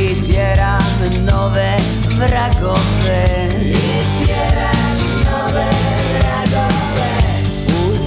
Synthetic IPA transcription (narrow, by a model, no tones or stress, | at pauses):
ɛt͡ɕɛɾa | nɔvɛ | vɾaɡɔvɛ | ɛt͡ɕɛɾa | nɔvɛ | vɾaɡɔvɛ | u | z